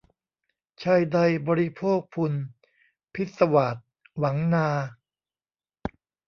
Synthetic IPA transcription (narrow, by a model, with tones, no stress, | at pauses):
t͡ɕʰaː˧jda˧jbɔː˧ɾi˦˥pʰoː˥˩k̚pʰu˧n | pʰi˦˥t̪̚sa˧wa˨˩t̪̚ | wa˩˦ŋnaː˧